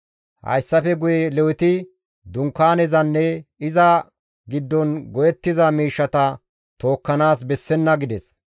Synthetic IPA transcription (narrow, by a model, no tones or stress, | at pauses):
hɐ̰jsːɐfɛɡʊjɛlɛwʊt̪ɪ | d̪ʊŋkːaːnɛzɐnːɛɪzɐ | ɡɪd̪ːɔnɡɔjɛt̪ːɪzɐmiːʃːɐt̪ɐ | t̪o̞ːkːɐnaːs̬bɛsːɛnːɐɡɪd̪ɛs